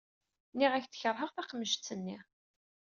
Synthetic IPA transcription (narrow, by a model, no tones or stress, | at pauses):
niʁæçθə̥çəɾˤɦəʁθæqəmːəʃt̪t͡sːənːiʁ